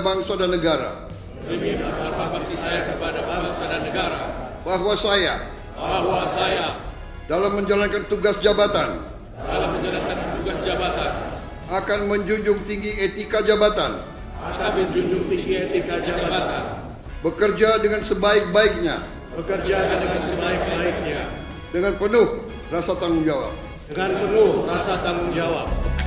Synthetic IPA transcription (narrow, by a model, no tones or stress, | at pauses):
baŋsadanːəɡaɾa̰ | imiadababat̪isajakəpadabbaŋsadanːəɡaɾa | baɦwasaja̰ | bahwasaja | dalamːəɲd͡ʒalankant̪uɡasd͡ʒabat̪an | dalaməɲd͡ʒalankant̪uɡasd͡ʒabat̪an | akanməɲd͡ʒuɲd͡ʒʊŋt̪iŋɡiet̪ikad͡ʒabat̪an | akanməɲd͡ʒuɲd͡ʒʊŋt̪iŋɡiet̪ikad͡ʒabat̪an | bəkərd͡ʒadəŋansəbaɪk̚baɪk̚ɲa̰ | bəkərd͡ʒaadəŋansəbaik̚baik̚ɲa | dəŋanpənʊh | rasat̪aŋʊŋd͡ʒawa̰p̚ | dəŋanpənʊhrasat̪aŋʊŋd͡ʒawap̚